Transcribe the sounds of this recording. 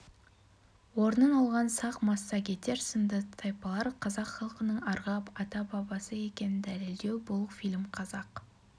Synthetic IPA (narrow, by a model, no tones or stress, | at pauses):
wo̞ɾnənɑlˠʁɑnsɑqmɑsːɑkʲe̞t̪e̞ɾsənd̪ət̪ʰɑjpɑlˠɑɾqʰɑzɑqχɑlˠqənəɴɑɾʁɑpɑt̪ɑbɑbɑsəe̞kʲe̞nɪnd̪æleld̪e̞wbʊlˠfilʲmqʰɑzɑq